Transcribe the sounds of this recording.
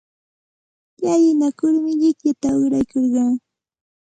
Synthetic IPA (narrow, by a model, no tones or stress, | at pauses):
jajɪnakʊɾmɪʎɪkʎat̪aʊɾajkoɾɢɑŋ